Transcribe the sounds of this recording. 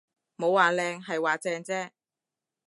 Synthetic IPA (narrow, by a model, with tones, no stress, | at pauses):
mo˨˧waː˨lɛː˧ŋɦɐ˨jwaː˨t͡sɛː˧ŋt͡sɛː˥